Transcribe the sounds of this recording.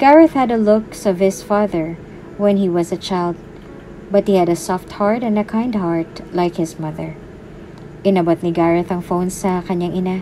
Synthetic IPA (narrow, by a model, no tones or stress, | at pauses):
ɡ̥aɹɐθhɐdɐlʊksɔv̥hɪsfaðəɹ | wɛ̃nhiwɐzɐt͡ʃaɪld̪̚ | bɐt̪̚hihɛdɐsɔft̪̚haɹt̪ɛ̃nd̪ɐkʰãj̃nd̪̚haɹt̪̚lajkhɪsmʌðəɹ | ʔɪnɐbɔt̪̚niɡaɹɐθɐŋfownsɐkɐɲaŋʔɪna